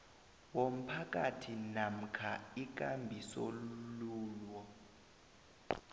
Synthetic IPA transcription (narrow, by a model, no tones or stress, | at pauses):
wom̩pʰak̬ʼatʰinam̩kʰaik̬ʼambʱisoluluːlwɔ